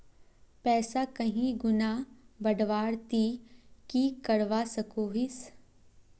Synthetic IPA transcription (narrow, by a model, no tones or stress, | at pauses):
pɛːsakɐɦĩɡʊnabɐɖʋaːɽt̪ikikɐɽʋasɐkoːɦis